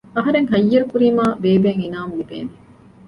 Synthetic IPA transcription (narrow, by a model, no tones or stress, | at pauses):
ɐɦɐɾeŋɦɐjːɐɾukuɾimaːbeːbeːŋinaːmulibḛːni